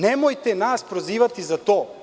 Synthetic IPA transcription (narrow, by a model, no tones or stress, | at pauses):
nɛmojt̪ɛnaspɾoziːʋat̪izat̪o